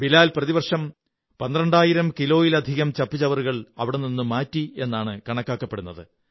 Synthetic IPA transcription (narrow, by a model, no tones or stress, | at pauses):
bilaːlprɐðibɐrʂɐm | pɐnd̪rɐɳɖaːjiɾɐmkilo̞ːjilɐd̪ʱiɣɐmt͡ɕɐpːit͡ɕɐʋɐruɣɐɭɐʋiɽeninːumaːtːie̞nːaːɳɨkɐɳɐkːaːkːɐpːe̞ɽunːɐðɨ̰